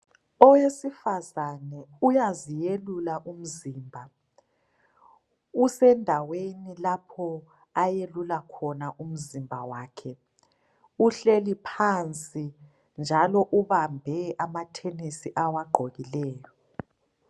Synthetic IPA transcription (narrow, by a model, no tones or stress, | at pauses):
ɔwesifazanɛujazijelulaʔum̩ziːmbʱa | usɛndʱawenilapʰɔ | ajelulakʰɔnaʔum̩zimbʱa̰waːkʰɛ | uɬelipʰant͡sʼi | nd͡ʒʱalɔʔuβambʱɛamatʰenisiʔawaɡ͡ǃʱoɣilɛːjɔ